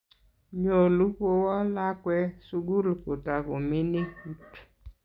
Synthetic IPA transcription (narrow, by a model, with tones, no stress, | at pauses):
ɲo˨lu˦po˦wɔ˦la˦kwɛ˦su˦ɡu˦lko˨ta˨ko˨mɪ˦ni˦ku˦t